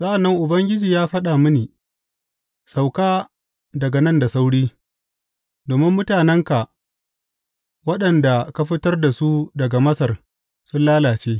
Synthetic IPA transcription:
sʼɐ˦ʔa˨nːɐ˦ŋʔʊ˨bɐ˦ŋɡʲɪ˦d͡ʒiː˨jaː˦ɸɐ˦ɗa˨mʊ˦niː˨ | sa˨wkaː˦ | dɐ˨ɡa˨nɐ˦nda˨sa˦wɽiː˦ | doː˨mɪ˦mːʊ˦taː˨nɛ˦ŋka˨ʔ | wɐ˦ɗɐ˨nda˨ka˦ɸɪ˦tɐ˦rda˨su˦dɐ˨ɡa˨mɐ˦sɐ˨r | sʊ˦nlaː˦laː˨t͡ʃeː˦

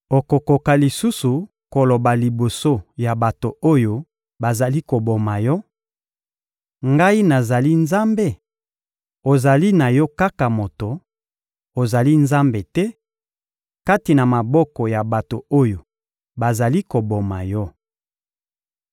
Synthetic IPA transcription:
o˨ko˨ko˨ka˨li˨su˦su˨ | ko˨lo˨ba˨li˨bo˨so˦ja˨ba˨to˨o˦jo˦ | ba˨za˨li˦ko˨bo˨ma˨jɔ˦ | ŋɡa˦i˦na˨za˨li˦nza˦mbe˦˨ | o˨za˨li˦na˨jɔ˦ka˦ka˨mo˨to˨ | o˨za˨li˦nza˦mbe˨tɛ˦ | ka˦ti˨na˨ma˨bɔ˦kɔ˨ja˨ba˨to˨o˦jo˨ | ba˨za˨li˦ko˨bo˨ma˨jɔ˦

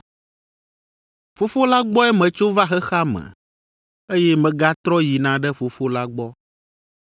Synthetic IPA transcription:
fo˦fo˦la˦ɡ͡bɔ˦ɛ˦mɛ̃˨t͡ʃo˦va˦xɛ˦xa˦mɛ̰̃˨ | e˦jɛ˦mɛ̃˨ɡa˦t̪ɾɔ˦ji˨nã˨ɖɛ˦fo˨fo˦la˦ɡ͡bɔ˦

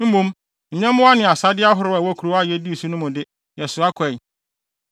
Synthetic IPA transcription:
m̩˦mũ˦m | ɲ̩˨ɲɛ̃˦mʊ̃˦a˦nɪ̃˨a˨sa˦dɪ˦a˦ɦʊ˨ɾʊ˦a˨wa˦kʰu˨ɾo˦a˦˨jɛ˦di˦˨su˦nʊ̃˦mʊ̃˨dɪ˦ | jɛ˨sʊ˨a˦kʰɛ˨

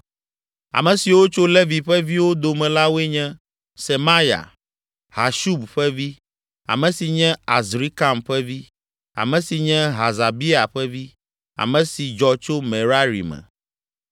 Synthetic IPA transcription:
a̰˨mɛ̃˨si˨wo˦t͡ʃo˦le˦vi˨ɸɛ˦vi˦wo˦d̪o˨mɛ̃˨la˦wo˦ɛ˦ɲɛ̃˦ | sɛ˨ma˦ja̰˨ | ha˨ʃu˦bɸɛ˦vi˦ | a̰˨mɛ̃˨si˨ɲɛ̃˦a˨zɾi˦ka˦mɸɛ˦vi˦ | a̰˨mɛ̃˨si˨ɲɛ̃˦ɦa˨za˨bi˦a˨ɸɛ˦vi˦ | a̰˨mɛ̃˨si˨d͡ʒɔ˨t͡ʃo˦mɛ˨ɾa˦ɾḭ˨mɛ̰̃˨

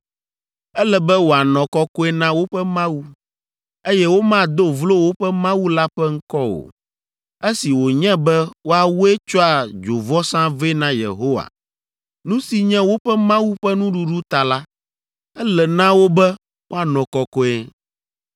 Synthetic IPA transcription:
ɛ˦lɛ˨bɛ˦wo˨a˨nɔ̃˨kɔ˦kɔ˦ɛ˦nã˦wo˦ɸɛ˦mã˦wu˦ | e˦jɛ˦wo˦mã˦d̪o˦vlo˦wo˦ɸɛ˦mã˦wu˦la˦ɸɛ˦ŋ̩˦kɔ˦o̰˨ | e˦si˨wo˨ɲɛ̃˦bɛ˦wo˦a˨wu˦e˦t͡ʃɔ˦a˨d͡ʒo˨vɔ˦sã˦ve˦nã˦jḛ˨ɦo˦wa̰˨ | nũ˦si˨ɲɛ̃˦wo˦ɸɛ˦mã˦wu˦ɸɛ˦nũ˦ɖu˦ɖu˦t̪a˨la˦ | ɛ˦lɛ˨nã˦wo˦bɛ˦ | wʔo˦a˨nɔ̃˨kɔ˨kɔ˦e˦

